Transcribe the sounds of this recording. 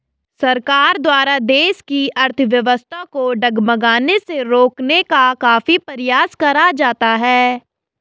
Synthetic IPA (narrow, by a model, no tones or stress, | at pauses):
sɐɾkaːɾd̪waːɾad̪eːʃkiɐɾt̪ʰəʋjɐʋəst̪ʰakoɖɐɡməɡaːneseɾoːknekakaːfipɐɾɪjaːskɐɾad͡ʒaːt̪aɦɛː